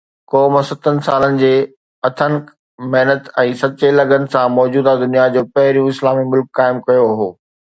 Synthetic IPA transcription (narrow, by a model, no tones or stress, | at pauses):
kɔːmsɐt̪ʰənɪ̆saːlənɪ̆d͡ʑeː | ɐt̪ʰənk | mɐɦnət̪ɛ̃ːsɐt͡ɕelɐɡənɪ̆sãmɔːd͡ʑuːd̪ad̪ʊnijad͡ʑoːpɐɦɪɾijũɪslaːmimʊlkːaːɪmkɐjoɦoː